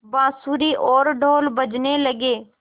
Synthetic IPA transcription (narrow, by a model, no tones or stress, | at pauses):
bãːsuːɾiːʔoːɾɖʱoːlbəd͡ʒneːləɡeː